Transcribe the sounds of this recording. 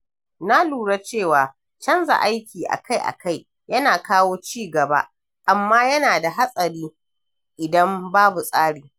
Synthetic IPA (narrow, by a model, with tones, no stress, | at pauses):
na˦luː˨ɽa˦t͡ʃeː˦˨waː˨ | t͡ʃɐ˦nza̰˨ʔa˦jkʲiː˨ʔa̰˨ka˦jʔa̰˨ka˦˨j | jɐ˦naː˨kaː˦woː˦t͡ʃiː˦˨ɡɐ˨ba̰˦ʔ | ʔa˨mːaː˦jɐ˦naː˨da˨ɦa˦sʼɐ˨ɽiː˦ | ʔɪ˨dɐ˦mbaː˦bu˨sʼaː˦ɽiː˨